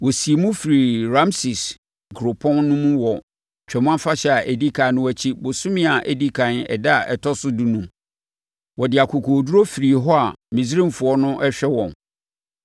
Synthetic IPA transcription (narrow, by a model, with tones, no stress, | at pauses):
wɔ˨si˨e˨mũ˦fi˨ɾi˨ɾã˦msi˨s | ɡɾʊ˨pʰɔ̃˦nːʊ̃˦mũ˦wɔ˨ | t͡ɕᶣʰɛ˨mʊ̃˦ã˦fa˦ɕɛ˦˨a˨ʔæ˨di˦kʰa˨˦nʊ̃˦æ˨t͡ɕʰi˦bʊ˨sʊ̃˦mɪ̃˦a˨ʔæ˨di˦kʰã˨nɛ̰˨da˦a˨ʔɛ̰˨tʰɔ˦sʊ˦du˦nũ˨˦m | wɔ˨dɪ˨a˨kʰʊ˨kʰoː˨du˦ɾo˦fi˨ɾi˨ɦɔ˦a˨mĩ˨s̬ɾĩ˦m˨fʊ˨ɔ˦nʊ̃˦ʔɛ˦ɕᶣɛ˦wɔ̃˨n